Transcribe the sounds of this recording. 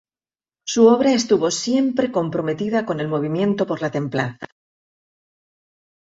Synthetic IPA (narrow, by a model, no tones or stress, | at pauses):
suo̞β̞ɾae̞st̪uβo̞sje̞mpɾe̞ko̞mpɾo̞me̞t̪iðako̞ne̞lmo̞β̞imjẽ̞nt̪o̞po̞ɾlat̪e̞mpla̰θa̰